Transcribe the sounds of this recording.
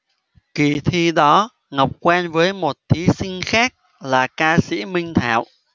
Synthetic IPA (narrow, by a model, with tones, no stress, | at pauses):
ki˨˩t̪ʰi˧ɗɔ˨˦ | ŋə˨˩wk͡p̚kwɛ˧nvəː˨˦jmo˨˩t̚t̪ʰi˨˦sï˧ŋ̟xaː˦˥k̚ | laː˨˩kaː˧sḭ˧˥mï˧ŋ̟t̪ʰa̰ː˧˨w